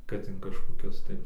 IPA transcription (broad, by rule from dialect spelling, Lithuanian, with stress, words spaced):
kɐt ɪn kɐʃkoːˈkʲʊs tɐɪ